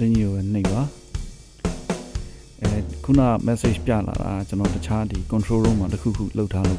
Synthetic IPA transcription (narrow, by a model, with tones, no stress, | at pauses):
d̪ɪ̃˨ɲi˨o˨bɛ˨n̥ɪ˦˨ba˨˦ | ʔkʰu˦˨na̰˦˨mɛ˦se˦˨d͡ʒpja̰˦˨la̰˨ɾa̰˨a˨t͡ɕənɔ˨tət͡ɕʰa˦d̪i˨kʊ̃˨ntʰɹo˦ɹõ˦˨ma˨təkʰṵ˦˨kʰṵ˦˨lo˦ʊtʰːa˦lo̰˦˨